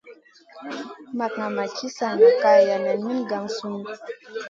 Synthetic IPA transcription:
ma˨kŋa˨ma˨t͡ʃi˦sa˨ŋa˨ka˨ja˨na˨nmi˦nɡa˨ŋsu˦m˦

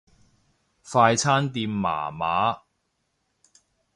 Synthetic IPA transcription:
faː˧jt͡sʰaː˥nt̪iː˧mːa̰ː˨˩ma̰ː˨˥

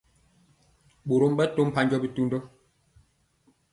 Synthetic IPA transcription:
ɓo˨ɾo˦m˦ɓɛ˦to˦m̩˦pa˦ɲd͡ʒɔ˦bi˦tu˦ndo˦

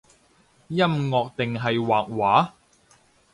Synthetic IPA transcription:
jɐ˥mŋɔː˨˧k̚t̪ɪ˨ŋɦɐ˨jwaː˨k̚waː˨˥

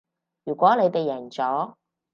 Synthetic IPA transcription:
jyː˨˩kʷɔː˨˥le˨˧jt̪e˨jːɛː˨˩nt͡sɔː˨˥

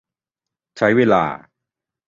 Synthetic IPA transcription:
t͡ɕʰa˦˥jweː˧la̰ː˧

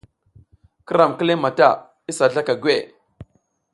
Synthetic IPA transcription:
kə˦ɾa˨mkə˦le˦ma˨ta˦˨ | i˦sa˨ɮa˦ka˨ɡwe˦˨

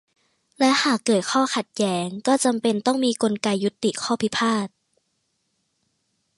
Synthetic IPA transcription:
lɛ˦˥haː˨˩kːɤː˨˩t̪̚kʰɔː˥˩xʰa˨˩t̪̚jɛː˦˥ŋkɔː˥˩t͡ɕa˧mpe˧nt̪ɔ˥˩ŋmiː˧ko˧nka˧jːu˦˥t̪ːi˨˩kʰɔː˥˩pʰi˦˥pʰaː˥˩t̪̚

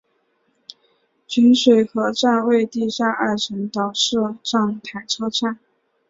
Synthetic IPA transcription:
t͡ɕy˧˥nʂwe˨˩ɪxɤ˧˥ʈ͡ʂa˥˧nwe˥˧ɪt̪i˥˩ɕa˥ʔa˥˩ʈ͡ʂʰə˧˥ŋt̪ɑ˨˩ʊʂɻ̩˥˧ʈ͡ʂɑ˥˩ŋt̪ʰa˨˩ɪʈ͡ʂʰɤ˥ʈ͡ʂa˥˩n

